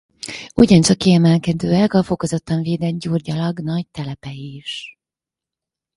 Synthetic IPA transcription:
uɟɒnt͡ʃɒkːiɛmɛlkɛd̪øːɛkɒfo̞ko̞zot̪ːɒɱveːd̪ɛd̪ɟuːrɟɒlɒɡnɒɟt̪ɛlɛpɛiʃ

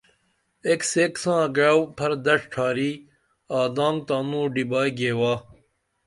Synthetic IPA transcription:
ekseːksãːɡɐwpʰɐɾd̪ɐʂʈʰaːɾiː | aːd̪ãːŋɡt̪ãːnũːɖibaːjɡeːwaː

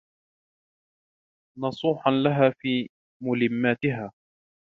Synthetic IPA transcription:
nɑsˤuːħanlaɦaːfiː | mʊlɪmːaːt̪ɪɦaː

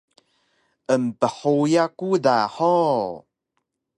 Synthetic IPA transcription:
ʔəmpəħojakudaħo

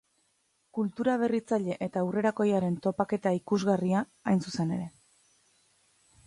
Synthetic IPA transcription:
kult̪uɾaβ̞e̞rit͡saʎe̞ʔet̪awre̞ɾako̞jaɾe̞nt̪o̞pake̞t̪aikuzɣaria | ajnsuse̞ne̞ɾe̞

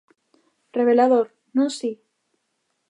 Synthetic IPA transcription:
re̞βe̞laðoɾ | nõsi

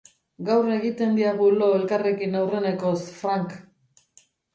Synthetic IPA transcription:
ɡawreɣit̪e̞nd̪iaɣulo̞e̞lkare̞kinawre̞ne̞ko̞sfɾaŋk

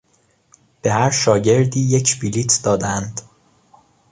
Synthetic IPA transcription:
b̥e̞hæɾʃɒːɟe̞ɾd̪iːjecʰbiliːt̪ʰd̪ɒːd̪ænd̪̥

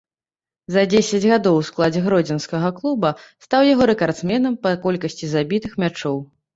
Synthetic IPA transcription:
zɐd͡zʲesʲɐd͡zʲɣad̪ɔwsklˠad͡zʲɛɣɾɔd͡zʲɛnskɐɣɐklˠubɐst̪awjaɣɔɾɛkart̪smʲɛnɐmpɐkɔlʲkɐsʲt͡sʲizabʲit̪ɨxmʲat͡ʂɔw

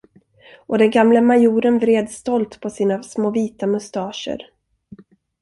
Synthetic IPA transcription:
ʔɔd̪ɛnɡamləmajuːɾənvɾeːd̪st̪ɔlt̪pʰɔsiːnasmoːviːt̪amɵst̪ɑːʂə̰ɾ

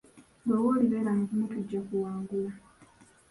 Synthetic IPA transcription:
doːwoliβeːlaŋkumutuɟːakuwaːŋɡula

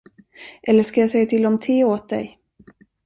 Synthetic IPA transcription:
ʔɛlːəʂkajɑsɛjːat̪ʰɪlːɔmt̪ʰeːoːt̪̚d̪ɛ̰j

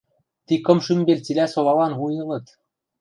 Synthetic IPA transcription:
t̪ikɤ̆mʃymbelʲt͡silʲæsoβɑlɑnβujɤ̆lɤ̆t̪

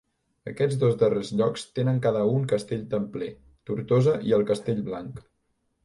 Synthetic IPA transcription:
əkɛd͡zðozd̪ərezʎɔkst̪enəŋkaðəuŋkəst̪eʎt̪əmple | t̪uɾt̪ozəʔiəlˠkəst̪eʎʲβlaŋk

